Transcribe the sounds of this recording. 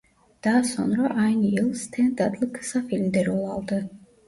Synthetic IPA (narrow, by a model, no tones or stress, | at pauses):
d̪̥aːsɔ̰nɾɔʔaniɛlˠst̪ʰɛnd̪ad̪lˠkʰsafilmd̪ɛɾɔlˠalˠd̪ɨ